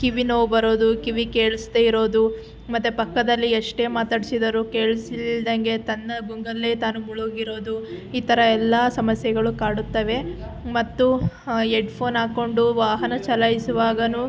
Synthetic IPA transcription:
kiʋinoːbɐɾo̞ːd̪ukiʋike̞ːɭust̪eiɾo̞ːd̪u | mɐt̪ːupɐkːɐd̪ɐlːiɐʂʈe̞ːmaːt̪aːɖisid̪ɐɾuke̞ːɭisild̪ɐŋɡe̞t̪ɐnːɐɡuŋɡɐlːe̞ːt̪aːnumuɭoɡiɾo̞ːd̪uiːt̪ɐɾɐɛlːasɐmɐsjɐɡɐɭukaːɽut̪ːɐʋe̞ | mɐt̪ːu | eɖpʰo̞ːnaːko̞ɳɖuʋaːɦɐnɐt͡ʃɐlɐjisuʋaːɡɐnu

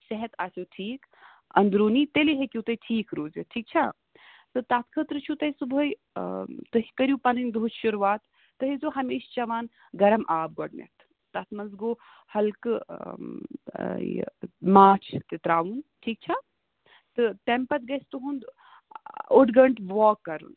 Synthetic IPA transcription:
sɐɦɛt̪ʰaːsoʈʰiːk | ɐ̰nd̪ɾuːnit̪eliɦekʲjut̪ɐjʈʰiːkɾoːzɐʈʰiːk̚t͡ʃʰa | t̪ɨt̪at̪kʰət̪ɾɨt͡ʃʰut̪ɐisubʱəj | t̪ɨɦikɐɾjupɐnɐnʲd̪uɦut͡ʃʰʃuɾuʋaːt̪ː | ɨɦizoːɦɐmeːʃt͡ʃɐʋaːn | ɡɐɾɐmʔaːb̚ɡɔɽnɐ̰t̪ʰː | ɐt̪ʰmɐnzɡoː | hɐlk | maːt͡ʃʰt̪et̪ɾaːʋunʈʰiːk̚t͡ʃʰa | t̪ɨʈempɐt̪̚ɡɐst̪uɦund̪ | oɖɡɐɳʈʋɔːkːɐɾṵn

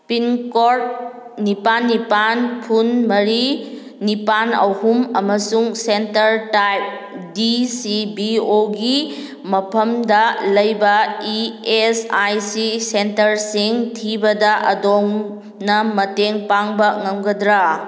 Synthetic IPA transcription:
pinkoɾt̚ | nipanːipanpʰunmɐɾi | nipanɐ̰whumɐmɐsuŋsentɐɾtajp̚ | disibioɡi | mɐpʰɐmdɐlɐjbɐiesajsisentɐɾsiŋtʰibɐdɐʔɐ̰doŋ | nɐmɐteŋpaŋbɐŋɐŋɡɐdɾa

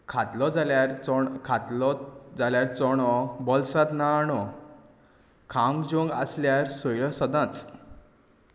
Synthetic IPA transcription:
kʰat̪lɔd͡zaljaɾt͡sɔkʰat̪lɔd͡zaljaɾt͡sɔɽ̃ɔbɔlsat̪naɽɔ | kʰamd͡ʑõŋɡa̰sljaɾsɔjlɔsɔd̪ãt͡s

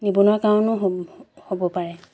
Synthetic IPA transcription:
nibunʊakaɔ̃nʊɦhobɔpaɹɛ

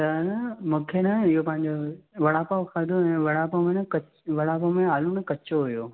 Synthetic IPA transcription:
t̪ɐnɐmũːkʰenɐɪɦopɐ̃ɦɪ̃ɲd͡ʑoʋɐɽaːpaʋkʰaːd̪ʱoɛ̃ːʋɐɽaːpomẽnɐkɐ | ʋɐɽaːpomẽaːlunɐkɐt͡ɕoɦujoː

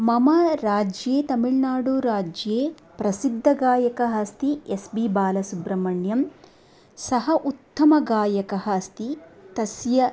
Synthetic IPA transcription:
mɐmɐɾaːd͡ʒjeːt̪ɐmiɭnaːɽuɾaːd͡ʒjeː | pɾɐsid̪ʱːɐɡaːjɐkɐɦɐst̪iesbibaːlɐsubɾɐmɐɳjɐm | sɐɦɐʔut̪ːɐmɐɡaːjɐkɐɦɐɐst̪it̪ɐsjɐ

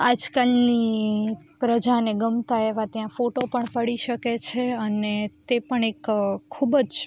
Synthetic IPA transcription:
ad͡ʒkalni | pɾəd͡ʒaneɡəmt̪aeʋat̪jãfoʈopəɳpəɽiʃəket͡ʃʰeənet̪epəɳekkʰːubəd͡ʒ

